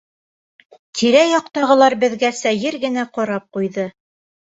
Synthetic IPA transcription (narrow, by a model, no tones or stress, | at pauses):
t̪ʰiɾæjɒqt̪ɑʁɤ̆lˠɑɾbɘ̆ðɡæsæjɘɾɡɘ̆næqɒɾɑp̚qujðɤ